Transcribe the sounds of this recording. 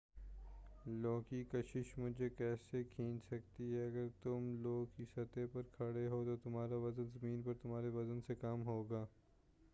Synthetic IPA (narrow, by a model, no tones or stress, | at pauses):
loːɡkikɐʃɪʃmʊd͡ʒʱekɛːsekʰĩːnsɐkt̪iɦɛɐɡəɾt̪ʊmloːɡkisɐt̪epɐɾkʰɐɽeɦot̪ot̪ʊmɦaːɾaʋɐzənzɐmiːnpɐɾt̪ʊm̤ɦaːɾeʋɐzənsekaːmɦoːɡaː